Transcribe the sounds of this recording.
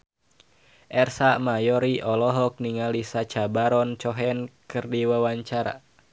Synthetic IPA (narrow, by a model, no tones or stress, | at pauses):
ʔɛrsamajɔɾiʔɔlɔɦɔk̚niŋalisat͡ʃabaɾɔnt͡ʃɔɦɛnkɨrdiwawaɲt͡ʃaɾa̰